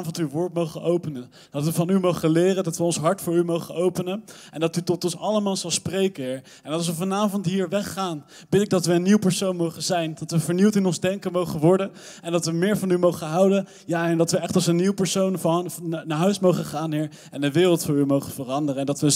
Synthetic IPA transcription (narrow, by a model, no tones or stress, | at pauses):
vɔntyʋʊːɹtmowχənʔowpənən | d̥ɑtʋəvɑnymowχəlɪːrədɑtʋəɔnsɦɑɹtfʊːɹymowχənowpənənɛndɑtytɔtɔnsɑləmaːlˠzɑlˠsprejkəɪɹ | ɛnɑlˠs̬ʋəvɑnaːvɔntɦiːɹʋɛχːaːn | bɪtɪɡ̚dɑtʋəənːiwpəɹsownmowχəzɛjndɑtʋəvəɹniwtɪnɔnzdɛŋkəmowχənʋɔɹdən | ɛndɑtʋəmɪːɹvɑnymowχənɦʌwdən | jaːɛndɑtʋəɛχtɑlˠsənːiwpəɹsownnaːɹɦœɥsmowχəχaːnɦɪːɹ | ɛndəʋɪːrəlˠtfʊːɹymowχəvərɑndərəɛndɑtʋə